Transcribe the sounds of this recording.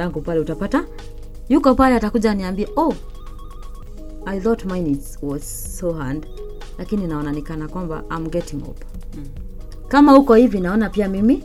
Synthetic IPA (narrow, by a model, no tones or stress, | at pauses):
aŋɡupalɛutapata | jukɔpalɛatakuʄaniambiɛʔo | ajθɔtmajnitswɔz̥ | sohad | lakininaɔnanikanakwamba̰ʔajmɡɛtiŋɔ̰p | kamahukɔhivinaɔnapiamimi